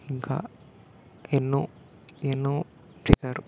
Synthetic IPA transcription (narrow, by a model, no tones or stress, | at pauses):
iŋka̰ː | enːoː | enːoː | t͡ʃɛsaːɾu